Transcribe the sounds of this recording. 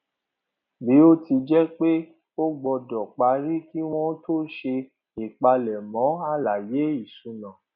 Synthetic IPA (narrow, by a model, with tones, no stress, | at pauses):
bi˨˦o˦ti˧d͡ʒɛ˦k͡pe˦ | o˦ɡ͡bɔ˧dɔ˨k͡pa˧˦ɾi˦ki˦w̃ɔ̃˦to˦ʃe˧ | i˨k͡pa˧lɛ˨mɔ̃˨˦a˦˨la˨je˨˦i˨sũ˧˦nã˨